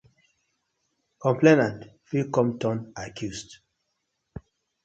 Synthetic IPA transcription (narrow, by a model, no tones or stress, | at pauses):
kɔ̃mplenãntfilkɔ̃mtɔ̃nakʰjust